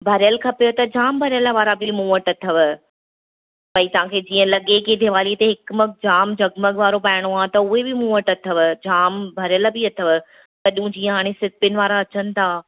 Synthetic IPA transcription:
bʱɐɾjəlkʰɐpejot̪ɐd͡ʑaːmbʱɐɾjələʋaːɾabɪmuːəʈɐt̪ʰəʋ | pɐit̪ɐʋ̤ãkʰeːd͡ʑiːə̃lɐɠekeːd̪ʱeʋaːlit̪eɦɪkməkd͡ʑaːmd͡ʑʱɐɡməɠʋaːɾopaːɪɽ̃oaːt̪ɐʊɦebɪmũːəʈɐt̪ʰəʋd͡ʑaːmbʱɐɾɪjəlbɪɐt̪ʰəʋ | t̪ɐɗɪũd͡ʑiːə̃ɦaːɽ̃esɪpɪnɪ̆ʋaːɾaɐt͡ɕənɪ̆t̪ʰaː

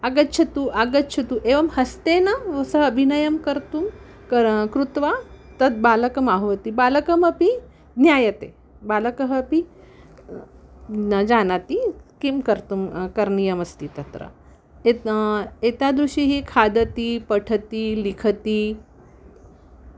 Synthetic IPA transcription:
aɡɐtːt͡ʃʰɐt̪uʔaɡətːt͡ʃʰɐt̪uʔeʋɐmhɐst̪enɐʋɐsɐɦɐbʱinɐjɐmkɐɾt̪um | kəɾkɾut̪ʋat̪ɐt̪̚baːlɐkɐmaɦʋɐt̪ibalɐkɐmɐpi | njajɐt̪e | balɐkəɦɐpi | d͡ʒanat̪ikimkɐɾt̪umkɐɾnijɐmɐst̪it̪ɐt̪ɾɐ̰ | e | et̪ad̪ɾuɕiɦikʰad̪ət̪ipɐʈʰət̪ilikʰət̪i

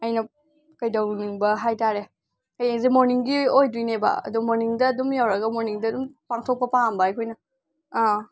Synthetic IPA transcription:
ɐjnɐ | kɐjdɐwniŋbɐɦajtaɾe | kajeŋzemoɾniŋɡiojdujnebɐ̰ɐ̰dumoɾniŋdɐːdumjawɾɐɡɐmoɾniŋdɐdumpaŋtʰok̚pɐpaŋmbɐɐjkʰojnɐː

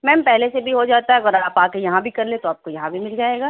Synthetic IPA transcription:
mɛːmpɛɦlesebʱiɦod͡ʒaːt̪aɦɛɐɡəɾaːpaːkejɐɦãbʱikɐɾlẽt̪oaːp̚kojɐɦãbʱimɪld͡ʒaːeːɡaː

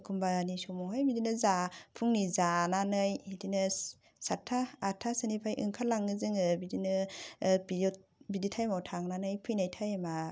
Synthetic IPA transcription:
kʰumbaanisumɔɦajbidinɯzapʰuŋnizananɯjidinɯ | satʰːaːtʰasɯnipʰajʔɯ̰ŋkʰaɾlaŋɯzɯŋɯbidinɯbiɾɔt̚biditʰajmawtʰaŋnanɯjpʰɯjnajtʰajma

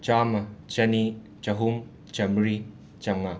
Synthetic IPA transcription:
t͡ʃamɐt͡ʃɐni | t͡ʃɐɦum | t͡ʃɐmɾi | t͡ʃɐŋɐ

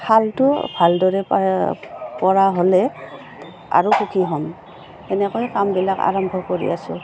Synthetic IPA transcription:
kʰaltʊbʱaldɔɹɛ | pɔɹaɦolɛ | a̰ɹuxukʰiɦɔm | ɛnɛkɔjkambilaka̰ɹɔmbʱɔkoɹḭasʊ̰

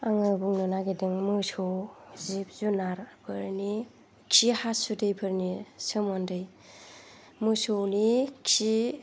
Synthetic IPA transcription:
aŋɯbuŋnɯnaɡedɯŋmɯsɔwzip̚zunaɾb̥ɯɾni | kʰihasudɯjbʰɯɾnisɯmɔndɯj | mɯsownikʰi

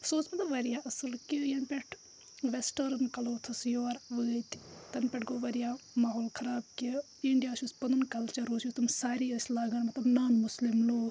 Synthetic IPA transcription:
soːsmɐt̪lɐʋɐɾijaːʔɐsɨlkijɐnpʲɛʈʰ | ʋesʈəɾɨnkɐloːt̪ʰɐsjoːɾʋəːt̪ʲt̪ɐnpʲɛʈɡoːʋɐɾijaːmaːɦoːlkʰɐɾaːb̚ki | iɳɖijaːʃuspɐnɨnkɐlt͡ʃɐɾoːsjut̪ʰumsaːɾiːɐsʲlaːɡɐnmɐt̪lɐbnaːnmʊslimloː

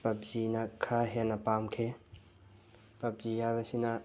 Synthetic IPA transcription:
pɐp̚zinɐkʰɾaɦenɐpamkʰe | pɐp̚zihajbɐsinɐ

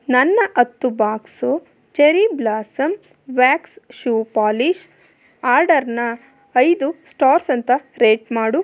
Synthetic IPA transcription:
nɐnːɐʔɐt̪ːubaːksu | t͡ʃeɾiblaːsɐm | ʋaːksʃuːpaːliʃ | aːɾɖɐɾnɐː | jd̪usʈaːɾsɐnt̪ɐɾeːʈmaːɽu

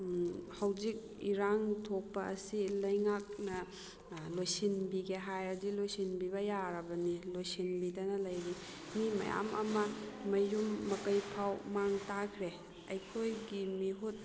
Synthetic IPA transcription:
hɐwzik̚ | iɾaŋtʰok̚pɐʔːsilɐjŋak̚nɐ | lojsinbiɡeɦajɾɐdilojsinbibɐjaɾɐbɐnilojsinbidɐnɐlɐjɾi | mimɐ̰ja̰mɐ̰mɐmɐjɾumːɐkɐjpʰawmaŋtakʰɾe | ɐjkʰojɡimiɦut̚

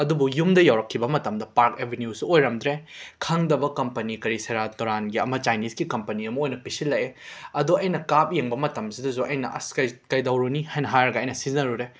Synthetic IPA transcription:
ɐdubujumdɐjawɾɐkʰːibɐmɐtɐmdɐpaɾkebʱenjusuojɾɐmdɾekʰɐŋdɐbɐkɐmpɐnikɐɾisɐjɾatɐɾanɡiɐmɐt͡ʃajnisɡikɐmpɐniɐmɐojnɐpisilːɐʔeɐduɐjnɐkap̚jeŋbɐmɐtɐmsidɐzuʔɐjnɐʔɐ̰skɐkɐjdɐwɾunihajnɐɦajɾɡɐɐjnɐsizɐɾuɾe

